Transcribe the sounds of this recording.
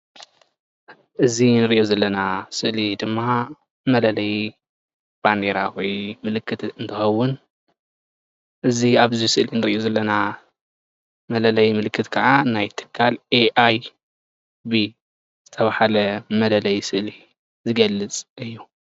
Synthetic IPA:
ʔɨzinɨɾɨʔjozɐlːɐnasɨʔlid̪ɨmːa | mɐlɐlɐj | b̥and̪eɾawɔjmɨlɨkʰːɨt̪ɨnt̪ʰɨxɐwʊn | ʔɨziaβzisɨʔlinɨɾiʔozɐlːɐna | mɐlɐlɐjmɨlɨkʰːɨt̪kʰaʕanajt̪ʰɨ̥kʰːalʔeʔaj | bi | z̥ɨt̪ʰɐβahalɐmɐlɐlɐjsɨʔli | zɨɡɐlːɨt͡sʼʔɨjːu

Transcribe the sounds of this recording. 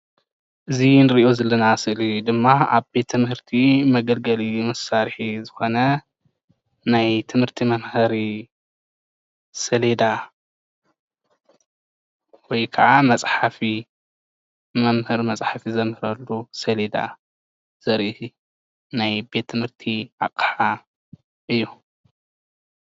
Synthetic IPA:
ʔɨzinɨɾiʔozɐlɐnasɨʔlid̪ɨmːaa̰βbe̞t̪ʰːɨmhɨɾt̪ʰimɐɡɐlɡɐlimɐsaɾħizɨxo̞nɐ | najt̪ʰɨmhɨɾt̪ʰimɐmhɨɾi | sɐled̪a | wɔjkʰɐʕamɐsʼħafi | mɐmhɨɾmɐt͡sʼħafizɐmhɨɾɐlːusɐled̪a̰ | z̥ɐɾʔih | najbe̞t̪ʰːɨmhɨɾt̪ʰiʔa̰qʼħa | ʔɨjːu

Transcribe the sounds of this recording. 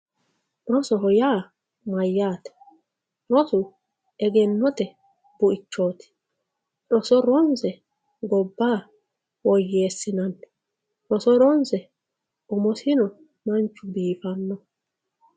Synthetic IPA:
ɾɔsɔɦɔjaː | mɐjːaːt̪ɛ̥ | ɾɔsʊ | ɛɡɛnːɔt̪ɛ | bʊʔɪt͡ʃːoːt̪ɪ̥ | ɾɔsɔɾɔnsɛ | ɡɔbːaː | wɔjːeːsːɪnɐnː | ɾɔsɔɾɔnsɛ | ʊmɔsɪnɔ | mɐnt͡ʃːʊbiːfɐnːɔ

